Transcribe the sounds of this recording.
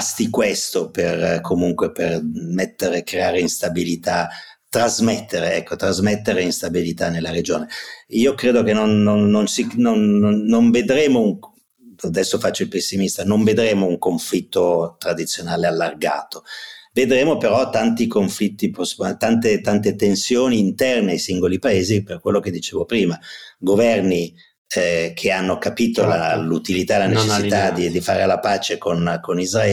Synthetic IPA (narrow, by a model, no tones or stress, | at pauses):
st̪ikwest̪operkʰomuŋkwepermet̪ːeɾekɾeaːɾeinst̪abilit̪a | t̪ɾazmɛt̪ːeɾeɛkːot̪ɾazmet̪ːeɾeinst̪abilit̪anelːaɾed͡ʒoːneiokɾeːd̪ok̟enːonːonːonsinonoːoɱved̪ɾeːmouŋ | ad̪ɛsːofat͡ʃːoilpesːimist̪anoɱved̪ɾeːmouŋkoɱflit̪ːot̪ɾad̪it̪sːjonaːlealːarɡa̰ːt̪oved̪ɾeːmopeɾɔt̪ːant̪ikoɱflit̪ːipost̪ant̪et̪ant̪et̪ensjoːniːnt̪ɛrneajsiŋɡolipaeːziperkwelːok̟ed̪ːit͡ʃeːvopɾiːmaɡovɛrni | kʰeanːokapiːt̪ola̰lut̪ilit̪alanet͡ʃesːit̪ad̪id̪ifa̰ːɾelapaːt͡ʃekonkonizraɛː